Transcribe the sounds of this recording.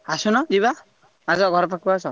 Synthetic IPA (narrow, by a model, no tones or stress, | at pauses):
asunɔd͡ʒiβa | asɔɡʱɔɾɔpakibasɔ